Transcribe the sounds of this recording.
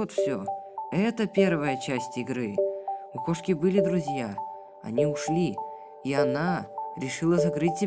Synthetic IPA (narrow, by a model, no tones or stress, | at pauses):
ot̪fsʲoɛt̪əpʲe̞rvəjət͡ɕæsʲtʲɪɡɾɨʊko̞ʂkʲɪbɨlʲɪd̪ɾʊzʲja | ɐ̰nʲiʊʂlʲi | iɐnaɾʲɪʂɨlˠəzɐɡɾɨtʲsʲɪ